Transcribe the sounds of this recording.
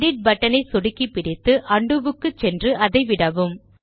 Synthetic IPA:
ɽiʈ̚bɐʈːɐnɐɪsɔɽɪkːipːɪɽɪt̪ːɯʔɐɳɖɯʋɯkːɯt͡ʃːɛndrɯʔɐðɐɪʋɪɽɐʋɯm

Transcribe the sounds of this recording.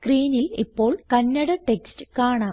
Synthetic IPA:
skriːnilipːo̞ːɭkɐnːɐɽɐʈekstɨ̥kaːɳaː

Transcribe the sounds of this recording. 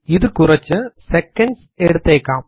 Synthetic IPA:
ɪðɯkʊɾɐt͡ʃːɯsɛkːɐɳɖs | ɛɽɯt̪ːɐjkːaːm

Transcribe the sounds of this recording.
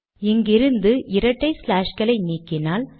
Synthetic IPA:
ɛŋɡɪɾɯnd̪ɯʔɪɾɐʈːɐɪslaːʂkɐlɐɪniːkːɪnaːl

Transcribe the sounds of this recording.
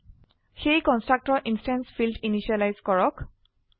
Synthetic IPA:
xejkɔnstɹak̚tɔɹʔinstɛnsfʰildiniʃialajzkɔɹɔk

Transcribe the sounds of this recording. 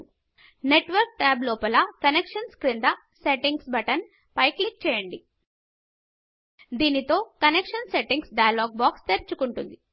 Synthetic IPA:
ne̞ʈʋɐɾk̚ʈaːblɔːpɐlɐkɐnekʂɐnskɾind̪ɐ | seʈiŋɡsbɐʈɐn | pɐjklik̚t͡ʃɛːjɐɳɖi | d̪iːnit̪o̞ːkɐnekʂɐnseʈiŋɡsɖɐjɐloːɡ̚baːkst̪eɾt͡ʃukuɳʈund̪i

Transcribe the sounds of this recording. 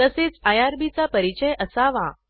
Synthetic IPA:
əset͡sajaɾbit͡sapəɾit͡ɕəjʔəsaʋã̰

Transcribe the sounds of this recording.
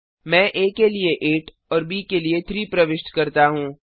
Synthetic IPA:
mɛ̃ːʔeːkelieʔeːʈ | ɔːɾbiːkeliet̪ʰɾiːpɾɐʋɪʃʈkɐɾt̪aɦũː

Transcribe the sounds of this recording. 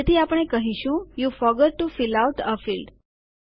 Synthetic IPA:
et̪ʰiapəɽ̃ɳ̃ekəɦiʃũjufɔɾɡəɖ̚ʈufilawʈəfilɖ

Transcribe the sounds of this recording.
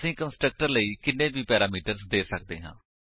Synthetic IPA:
sĩːkənsʈɾək̚ʈəɾləiːkɪnːẽːbiːpɛːɾaːmiːʈəɾzd̪eːsək̚d̪eːɦã̰ː

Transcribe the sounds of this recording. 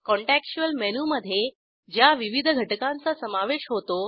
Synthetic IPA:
kɔɳʈækɕuəlmɛnuməd̪ʱːje | d͡ʑjaʋiʋid̪ʱəɡʱəʈəkãnt͡sasəmaʋeɕɦot̪o

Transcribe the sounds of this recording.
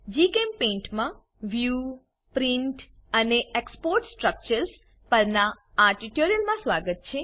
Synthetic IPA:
d͡ʒikempẽɳʈmã | ʋju | pɾiɳʈ | əneekspoɾʈsʈɾək̚t͡ʃəɾs | pəɾnaː | ʈiʈoɾijəlmãsʋaɡət̪̚t͡ʃʰe

